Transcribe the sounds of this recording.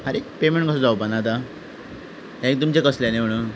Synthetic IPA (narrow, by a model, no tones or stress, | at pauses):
aɾepemeɳʈkəsəd͡zaubanad̪a | ɦjãek̚d̪əmt͡ɕekəsljaneəɽ̃u